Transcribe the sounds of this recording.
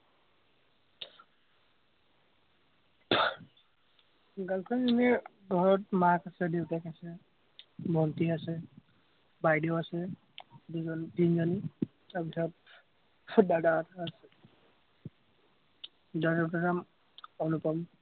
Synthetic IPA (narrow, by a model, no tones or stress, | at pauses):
ɡalkʰanzinɛ | ɡʱɔɹɔtmakasɛdewtakasɛ | bʱɔntiasɛ | bajdewasɛ | duzɔntinzɔni | abisʰɔt̚ | dadaatʰaːsɛ | dadataɾam | ɔnupɔm